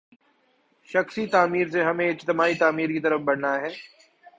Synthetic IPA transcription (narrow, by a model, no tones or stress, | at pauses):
ʃɐxsit̪aːmiːɾs̬eɦɐmẽɪd͡ʒt̪ɪmaːit̪aːmiːɾkit̪ɐɾəfbɐɽ̤naɦɛː